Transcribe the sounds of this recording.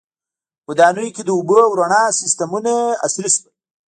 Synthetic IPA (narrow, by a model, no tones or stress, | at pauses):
wəd̪ɑːnujked̪əubəawɾaɳɑsɪst̪amunaa̰sɾiswa